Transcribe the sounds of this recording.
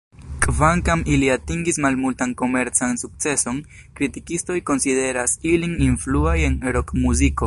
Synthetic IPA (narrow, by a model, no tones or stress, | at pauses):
kvaŋkamiliatiŋɡismalmultanko̞me̞ɾt͡sansukt͡se̞so̞n | kɾitikisto̞jko̞nside̞ɾasilininfluaje̞neɾokmuziko̞